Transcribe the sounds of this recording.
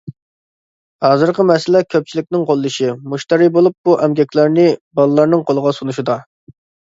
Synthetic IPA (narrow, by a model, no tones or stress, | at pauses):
hɑːzɨɾqəmɛsɪlɛkʲʰøp̚t͡ʃʰilɪkʲnɪŋqʰolˠːɨʃɪmuʃt̪ɑɾibolˠup̚buʔɛmɡʲɛkʲlæɾnɪbɑlˠɨlˠɑɾnɨŋqʰolˠəʁɑsunuʃid̪ɑ